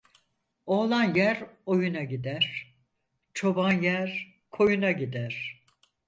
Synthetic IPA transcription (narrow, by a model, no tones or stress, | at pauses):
o̞lˠanjæɾo̞junaɟid̪æɾ̥ | t͡ʃʰo̞banjæɾ | kʰo̞junaɟid̪æɾ̥